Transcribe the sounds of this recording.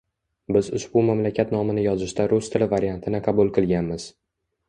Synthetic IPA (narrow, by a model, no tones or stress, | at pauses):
bɪzʊʃbʊmamlakʲʰat̪nɒmɪnɪjɒzɪʃt̪aɾʊst̪ʰɪlɪvaɾijant̪ʰɪnɪqʰɑbʊlˠqʰɨlˠɡʲanmɪz̥